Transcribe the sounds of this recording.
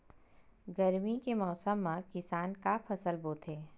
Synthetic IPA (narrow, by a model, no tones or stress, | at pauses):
ɡɐɾmikemɔːsəmːãkɪsaːnkapʰɐsəlboːt̪ʰeː